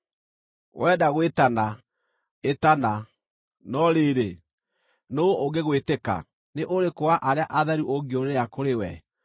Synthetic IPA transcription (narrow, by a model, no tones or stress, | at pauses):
ɣwɛːdaɣwetana | etana | nɔɾeːɾe | nooɡeɣweteka̰ | neʔoɾekoaʔaɾeaʔaðɛɾuʔoɡioɾeakoɾewɛ